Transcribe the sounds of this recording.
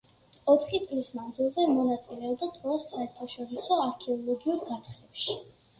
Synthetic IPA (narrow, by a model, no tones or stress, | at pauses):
ɔt̪ʰχit̪sʼlismand̪zilˠzɛmɔnat̪sʼilɛɔbd̪at̪ʰʼɔasaɛɾt̪ʰaʃɔɾisɔaɾkʰɛɔlˠɔɡiuɾɡat̪χlɛpʃi